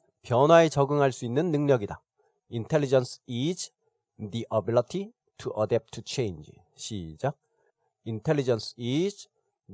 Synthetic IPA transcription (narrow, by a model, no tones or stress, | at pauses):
pjʌnwaet͡ɕʌɡɯŋɦaɭs͈uinːɯnːɯŋɲʌɡida | intʰe̞ɭːlːid͡ʑʌnsʰid͡ʑ | diʔʌbilitʰi | tʰuʔʌdɛp̚tʰut͡ɕʰejnd͡ʑ | ɕʰḭd͡ʑak̚ | intʰeɭːid͡ʑʌnsʰid͡ʑ